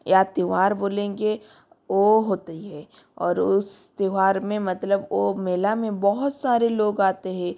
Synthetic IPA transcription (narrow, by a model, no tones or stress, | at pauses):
jat̪iʋaːɾboːlẽːŋɡe | ʋoɦoːt̪iɦɛː | ɔːɾʊst̪iʋaːɾmẽmɐt̪ləbomeːlamẽbɔɦʊt̪saːɾeloːɡaːt̪eɦɛ̃ː